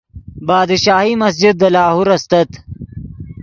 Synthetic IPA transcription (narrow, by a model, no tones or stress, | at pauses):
bɑːd̪ʃaːhimɐsd͡ʒɪd̪̚ːɐlaːhuɾɐst̪ɐt̪